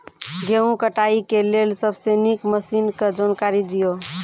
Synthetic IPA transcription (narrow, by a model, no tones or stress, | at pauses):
ɡeũkəʈaikelelsəbʱsenikməsinked͡ʒankaɾid̪ijo